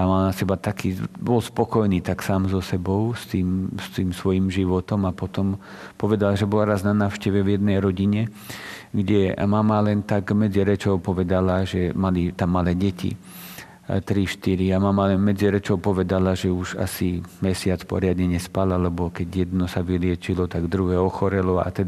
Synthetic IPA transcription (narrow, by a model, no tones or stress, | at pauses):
amalnasɛbat̪akʰiːbɔlspɔkɔjniːt̪aksaːmzɔsɛbɔʊst̪iːmst̪iːmsʋɔjimʒiʋɔt̪ɔmapɔt̪ɔm | pɔʋɛd̪alaʒɛbɔlaɾaznanaːʊʃcɛʋɛvjɛd̪̚nɛjɾɔɟiɲɛ | ɡɟɛmamalɛnt̪aɡmɛd͡ziɾɛt͡ʃɔʊpɔʋɛd̪alaʒɛmalit̪amːalɛɟɛcḭ | t̪ɾiʃt̪iɾiamamalɛnmɛd͡ziɾɛt͡ʃɔʊpɔʋɛd̪alaʒɛuʒa̰simɛsɪat͡spɔ̰ɾɪad̪ɲɛɲɛspalalɛbɔkɛɟjɛd̪nɔsaʋilɪɛt͡ʃilɔt̪aɡd̪ɾuɦɛːɔxɔɾɛlɔa̰t̪ɛd̪